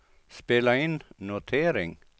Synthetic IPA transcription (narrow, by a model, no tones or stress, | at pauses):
spɪləɪnnʊt̪ʰeːɾɪŋ